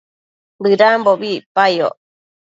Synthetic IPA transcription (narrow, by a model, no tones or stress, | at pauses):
bɨɾamboβipaio̰ʔ